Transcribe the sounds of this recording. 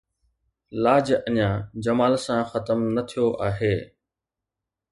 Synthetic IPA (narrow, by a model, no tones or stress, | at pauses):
laːd͡ʒəɲãːd͡ʒəmaːlsãxət̪əmnət̪ʰijoʔaːɦeː